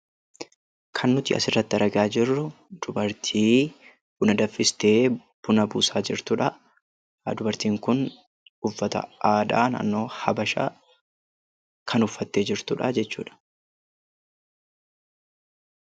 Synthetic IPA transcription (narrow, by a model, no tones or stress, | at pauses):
kʰɐnːʊt̪ɪʔɐ̰sɪrːɐt̪ːɪɐɾɐɡaːd͡ʒɪrːʊ | d̪̥ʊbɐɾt̪ʰiː | b̥ʊnɐd̪ɐfːɪst̪eːb̥ʊnɐbuːsaːd͡ʒɪɾt̪ʊᶑɐ | d̪ʊbɐɾt̪iːŋkʊn | ʊfːɐt̪ɐ̰ʔaːd̪a̰ːnɐ̰nːo̞ːhɐbɐʃa̰ː | kʰɐnʊfːɐt̪ːe̞ːd͡ʒɪɾt̪ʊᶑɐd͡ʒɛt͡ʃːuːᶑɐ̥